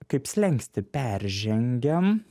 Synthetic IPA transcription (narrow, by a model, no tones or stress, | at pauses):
kɐɪpsʲlʲɛŋksʲt̪ʲɪpʲæɾʲʒʲɛŋʲɡʲɛm